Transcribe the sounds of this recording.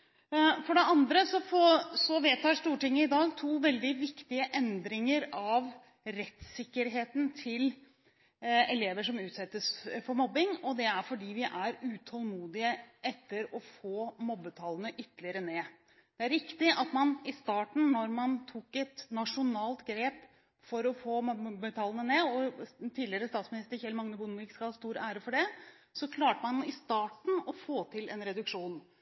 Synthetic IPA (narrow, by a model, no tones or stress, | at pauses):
fɔɖɛɑnd̪ɾəsɔfɔsɔʋeːt̪ʰːɑːʂʈ̪uːʈɪŋːəɪd̪ɑːɡt̪ʰuːʋɛld̪ɪʋɪkt̪ɪəʔɛnd̪ɾɪŋəɾɑʋ | ɾɛt̪sɪkːəɾɦeːt̪nt̪ʰɪl | ɛleːʋəʂɔmʉːt̪sɛt̪ːəsfɔɾmɔbːɪŋɔd̪ɛæɾfɔɖiːʋɪʔæɾʉːt̪ʰɑlmuːd̪ɪəʔɛt̪ːəɾɔfoːmɔbːət̪ʰɑlːənəʔʏt̪ːəlɪəɾəneː | d̪̥ɛæɾɾɪkt̪ɪʔɑt̪mɑnɪst̪ɑːʈɳ̩nɔɾmɑnt̪ʰuːkɛt̪nɑʂʊnɑːlt̪ɡɾeːp | fɔɾɔfoːmɔbbːət̪ʰɑːlənəneːɔt̪ʰiːd̪lɪəɾəst̪ɑːt̪smɪnɪst̪əɾçɛlmɑŋnəbʊnʋɪkskɑlhɑːst̪uːɾæːɾəfɔɖɛ | sɔkʰlɑːʈəmɑnɪst̪ɑːʈɳ̩ɔfoːt̪ʰɪlɛnɾɛd̪ʉkʂuːn